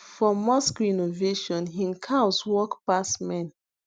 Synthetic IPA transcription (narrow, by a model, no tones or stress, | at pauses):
fɔmɔskɹinoveʃɔ̃nɦĩnkʰaʊswɔkpasmɛ̃n